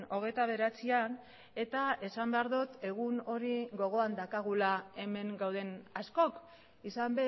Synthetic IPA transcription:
no̞ɣ̞e̞t̪aβ̞e̞ɾat͡sian | e̞t̪ae̞sambe̞aɾðut̪e̞ɣ̞uno̞ɾiɡo̞ɣo̞and̪akaɣ̞ulae̞me̞ŋɡawð̞e̞nasko̞k | isambe

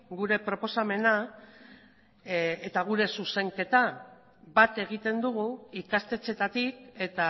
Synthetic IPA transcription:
ɡuɾe̞pɾo̞po̞same̞na | et̪aɣ̞uɾe̞suse̞ŋke̞t̪a | bat̪e̞ɣ̞it̪e̞nd̪uɣ̞uikast̪e̞t͡se̞t̪at̪ike̞t̪a

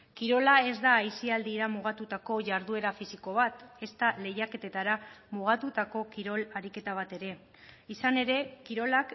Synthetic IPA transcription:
kiɾo̞lae̞zd̪aːjsiald̪iɾamuɣ̞at̪ut̪ako̞ʝaɾðue̞ɾafisiko̞β̞at̪e̞st̪ale̞jake̞t̪e̞t̪aɾamuɣ̞at̪ut̪ako̞kiɾo̞laɾike̞t̪aβ̞at̪e̞ɾe̞ | isane̞ɾe̞kiɾo̞lak

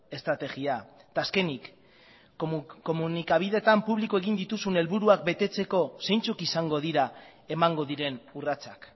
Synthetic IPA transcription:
e̞st̪ɾat̪e̞ɣiat̪aːske̞nik | ko̞munikaβ̞iðe̞t̪ampuβlikoe̞ɣind̪it̪usune̞lβuɾuak̚be̞t̪e̞t͡se̞ko̞se̞jnt͡sukisaŋɡo̞ð̞iɾae̞maŋɡo̞ðiɾe̞nurat͡sak

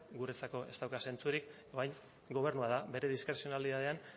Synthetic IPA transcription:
ɡuɾet͡sako̞ʔe̞st̪awkase̞nt͡suɾik | oɾajŋ | ɡo̞β̞e̞ɾnuað̞abe̞ɾe̞ðiskɾe̞sio̞naliðað̞e̞an

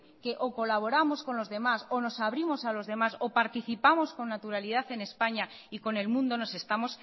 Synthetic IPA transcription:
ke̞ʔoko̞laβ̞o̞ɾamo̞sko̞nlo̞zðe̞maso̞no̞saβ̞ɾimo̞salo̞zðe̞masopaɾt̪iθipamo̞sko̞nːat̪uɾalið̞aθe̞ne̞spaɲaiko̞ne̞lmũnd̪o̞no̞se̞st̪amo̞s

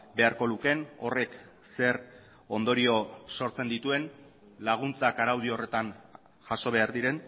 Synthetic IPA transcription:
be̞aɾko̞luke̞no̞re̞k | se̞r | o̞nd̪o̞ɾio̞so̞ɾt͡se̞nd̪it̪ue̞n | laɣ̞unt͡sakaɾawð̞iore̞t̪an | ʝaso̞βe̞aɾðiɾe̞n

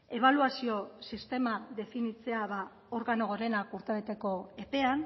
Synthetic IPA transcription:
e̞β̞aluasio̞sist̪e̞maðe̞finit͡se̞aβa | o̞ɾɣano̞ɣoɾe̞nakuɾt̪eβet̪e̞ko̞e̞pe̞an

